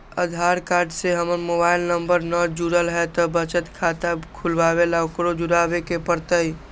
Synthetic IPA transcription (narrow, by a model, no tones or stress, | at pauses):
ə̰d̪ʱaɾkaːɾɖseɦəməɾmobaɪlnəmbəɾnɔd͡ʒuɾəlɦɛt̪ɔbət͡ʃət̪kʰat̪akʰulʋabelaʊkɾod͡ʒuɽabekepəɾt̪əi